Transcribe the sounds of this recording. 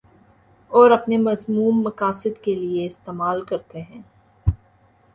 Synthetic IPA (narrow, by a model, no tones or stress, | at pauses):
ɔːɾɐpnemɐzmuːmːɐkaːsɪd̪kelieɪst̪eːmaːlkɐɾt̪eɦɛ̃ː